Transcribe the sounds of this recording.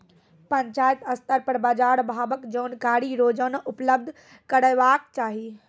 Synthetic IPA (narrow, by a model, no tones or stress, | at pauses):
pəɲt͡ʃaːjət̪əst̪əɾpəɾbaːd͡ʒaːɾbʱaːbəkd͡ʒoːnkaːɾiɾoːd͡ʒənʔupləb̚d̪ʱ | kəɾəjʋaːkt͡ʃaːɦi